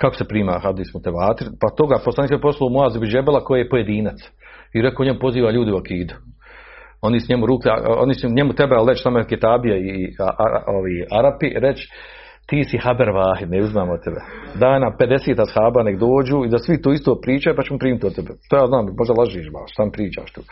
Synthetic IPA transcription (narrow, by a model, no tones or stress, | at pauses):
kako̥sepɾiːmaːxabd̪ismut̪eʋaːt̪iɾpat̪o̞ɡaposlaniːk̪seposlˠomuaːzibiʒebelako̞jeːjepojed̪iːnat̪s | iɾekoːɲemupo̞ziːʋaːʎuːd̪iuakiːd̪u̥ | o̞nisɲemuɾuːklia̰o̰nisɲemut̪ebealɾet͡ʃsamoeket̪aːbijaia̰a̰oʋeaɾapiɾet͡ʃ | t̪iːsihabeɾʋaːhid̪nɛuzimaːmot̪t̪ːebed̪aːjnaped̪eseːt̪ashaːbaneɡd̪oːd͡ʒuːid̪asʋit̪oːist̪oːpɾiːt͡ʃajupat͡ʃemopɾiːmt̪ʲot̪ebet̪oːjaːznaːmmo̞ʒd̪alˠaʒiːʃba̰ːʃsaːmpɾiːt͡ʃa̰ːʃt̪uː